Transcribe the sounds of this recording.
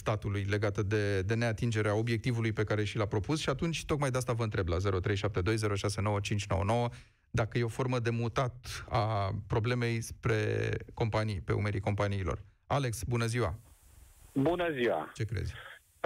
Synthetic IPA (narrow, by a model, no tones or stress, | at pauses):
st̪at̪ulujle̞ɡat̪əd̪e̞d̪e̞ne̞at̪ind͡ʒe̞ɾeao̞bjek̚t̪ivulujpe̞kaɾe̞ʃilapɾo̞pusʃiat̪unt͡ʃʲt̪o̞kmajd̪east̪avəɨnt̪ɾe̞blaze̞ɾo̞t̪ɾe̞jʃap̚t̪e̞d̪o̞jze̞ɾo̞ʃase̞no̞wət͡ʃint͡ʃʲno̞wə̰no̞wə | d̪akəje̞o̞fo̞rməd̪e̞mut̪at̪apɾo̞ble̞me̞jspɾe̞̰ko̞mpanijpe̞̰ṵme̞ɾiko̞mpaniːlo̞̰r | ale̞ksbunəziwa̰ | bunəziwa̰t͡ʃe̞kɾḛzʲ